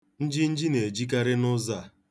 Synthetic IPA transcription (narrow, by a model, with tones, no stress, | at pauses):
n̩˦d͡ʒɪ˦n̩˦d͡ʒɪ˦ne˨d͡ʒi˦k̬a˦ɾɪ˦nʊ˦za˦˨